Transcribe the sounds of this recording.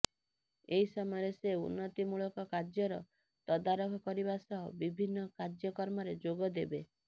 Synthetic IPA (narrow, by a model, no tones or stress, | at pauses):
eɦisɔmɔɔɾeseṵnːɔt̪imuɭɔkɔkad͡ʒjɔɾɔ | t̪ɔd̪aɾɔkʰɔkɔɾibasɔɦɔbibʱinːɔkad͡ʒjɔkɔɾmɔɾed͡ʒoɡɔd̪ebe